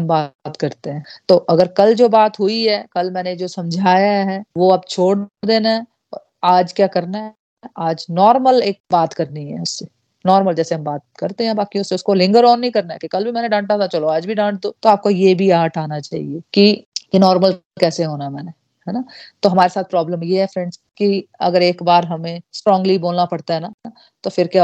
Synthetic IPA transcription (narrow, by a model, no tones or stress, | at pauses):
ɦɐmbaːt̪kɐɾt̪eɦɛ̃ːt̪oːʔɐɡəɾkɐld͡ʒoːbaːt̪ɦuiɦɛkɐlmɛ̃ːned͡ʒoːsɐ̃md͡ʒʱaːjaɦɛːʋoɐb̚t͡ʃʰoːɽd̪eːnaɦɛ | ɔː | aːd͡ʒkjaːkɐɾnaɦ | ɛaːd͡ʒnɔːɾməleːk̚baːt̪kɐɾniɦɛ̰̃ʊsːe | nɔːɾməld͡ʒɛːseɦɐmbaːt̪̚kɐɾt̪eɦɛ̃ɦɛ̃baːkiʊsːeʊskolɪ̃ŋɡəɾɔːnːĩkɐɾnaɛ̰kikɐlbʱimɛ̃ːneɖãːɳʈat̪ʰat͡ʃɐloaːd͡ʒbʱiɖãːɳʈ̚d̪oːt̪oaːp̚kojebʱiaːʈʰaːnat͡ʃaːɦḭeːkijenɔːɾməlkɛːseɦoːnamɛːne | ɦɛnat̪oɦɐmaːɾesaːt̪̚ʰpɾɔːbləmjeɦɛfɾɛ̃ɳɖs | kiɐ̰ɡəɾeːkbaːɾɦɐmẽsʈɾɔ̃ːŋɡliboːlnapɐɽt̪aɦɛna | t̪ofɪɾkja